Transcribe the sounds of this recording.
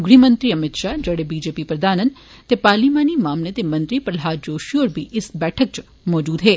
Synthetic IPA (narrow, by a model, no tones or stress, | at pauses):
ɡɽimɐ̃nt̪ɾiɐmɪt̪ʃaːd͡ʒɐɡɽebiːd͡ʒeːpipɾɐd̪aːnə̃n | t̪epaːɾliːmaːnimaːmnət̪emɐ̃nt̪ɾipɐɾlɦaːɾd͡ʒoːʃioːɾbʱiʔɪsbɛːʈʰək̚t͡ʃ | mɔːd͡ʒuːd̪ɦeː